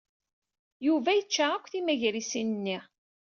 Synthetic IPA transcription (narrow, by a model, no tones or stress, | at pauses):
juvæjət͡ʃːaakʷːθimæʝɾisinənːi